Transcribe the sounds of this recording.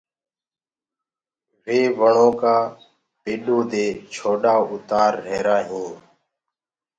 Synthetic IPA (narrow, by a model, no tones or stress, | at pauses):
ʋeːʋəɳõːkaː | peːɗõːd̪eːt͡ʃʰoːɗaːʊt̪aːɾːeːɾaːɦõː